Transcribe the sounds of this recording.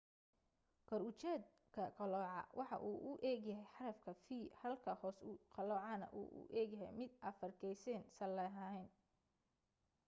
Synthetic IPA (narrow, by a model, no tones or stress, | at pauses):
kʰɔɾʊt͡ʃɛːd̪̚ | kʰɐqɐlɔːʕɑ̰wʔɑħɑ̰ʔuːʔʊʔɛːɡjɐɦɛjħɑɾɐfkʰɐfiːhɐlkʰɐhɔːsʊqɑlɔːʕɑnɐ̰ʔṵːʔʊ̰ʔɛːɡjɐɦɛ̰jmɪd̪ʔɐfɐrkʰɛjsɛːnsɐlɛɦɐɛn